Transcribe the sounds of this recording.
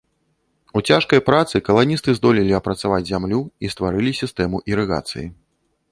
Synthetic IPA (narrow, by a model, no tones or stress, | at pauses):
ut͡sʲaʂkɐjpɾat̪sɨkɐlˠanʲist̪ɨzd̪ɔlʲilʲiɐpɾɐt̪savad͡zʲzʲamlʲuist̪vaɾɨlʲisʲist̪ɛmuʔiɾɨɣa̰t̪sɨ̰ji